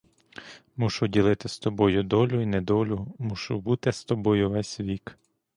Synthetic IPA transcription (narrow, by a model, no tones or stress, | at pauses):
muʃʊdʲilˠɪt̪ɪst̪ɔbɔjʊd̪ɔlʲʊinɛd̪ɔlʲʊmuʃʊbut̪ɪst̪ɔbɔjʊʋɛsʲʋʲik